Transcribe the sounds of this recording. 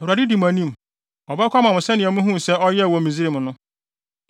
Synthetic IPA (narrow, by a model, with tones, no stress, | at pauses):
a˨dɪ˦di˨m˨ã˨nĩ˦m˨ | ɔ˨bɛ˦kʰʷa˦mã˨mʊ̃˨sɛ˦nɪ̃˨ɛ˨mʊ̃˦ɦũ˦˨sɛ˦ɔ˦jɛ˦˨wɔ˨mĩ˨zi˦ɾe˨mʊ̃˨nʊ̃˦